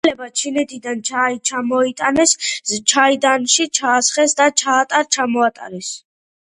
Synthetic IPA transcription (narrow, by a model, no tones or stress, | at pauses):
lɛbat͡ʃʰinɛt̪ʰid̪ant͡ʃʰait͡ʃʰamɔit̪ʼanɛst͡ʃʰaid̪anʃit͡ʃʰaːsχɛsd̪at͡ʃʰaːt̪ʼaɾt͡ʃʰamɔat̪ʼa̰ɾɛs